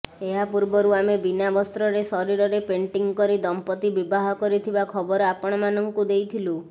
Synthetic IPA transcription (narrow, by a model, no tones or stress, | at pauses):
eɦapuɾbɔɾuamebinabɔst̪ɾɔɾesɔɾiɾɔɾepeɳʈiŋɡkɔɾid̪ɔmpɔt̪ibibaɦɔkɔɾit̪ʰibakʰɔbɔɾɔapɔɽ̃ɔmanɔŋkud̪ejt̪ʰilu